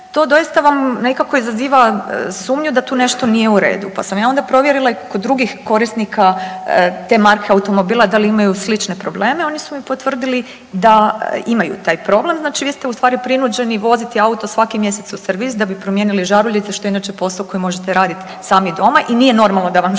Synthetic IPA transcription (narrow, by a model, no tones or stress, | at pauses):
t̪o̞ːd̪o̞jist̪aʋamnekako̞izaziːʋasuːmɲud̪at̪uːne̞ʃt̪o̞nijeuɾe̞̰ːd̪upa̰samjaːo̞nd̪apɾo̞ʋjeɾilˠaikod̪ːɾuɡixko̞ɾisnikʰa | t̪e̞ːmaɾkʰeaut̪o̞mo̞biːlˠad̪aliimajuslit͡ʃne̞pɾo̞ble̞ːme̞o̞nisumipo̞t̪ʋr̩d̪ili | d̪aimajṵt̪aːjpɾo̞ble̞mznaːt͡ʃiʋist̪eust̪ʋaːɾipɾinud͡ʑe̞niʋo̞zit̪iaut̪osʋakimje̞se̞t̪suseɾʋisd̪abipɾo̞mje̞ːniliʒaɾuʎʲit̪seʃt̪o̞einat͡ʃepo̞saoko̞jmo̞ʒet̪eɾaːd̪it̪ | saːmid̪o̞maʔinije̞no̞ɾmalˠno̞d̪aʋam